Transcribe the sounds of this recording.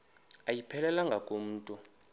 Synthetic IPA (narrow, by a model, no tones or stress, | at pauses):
ajipʰɛlɛlaŋɡʱakʼom̩ːtʼu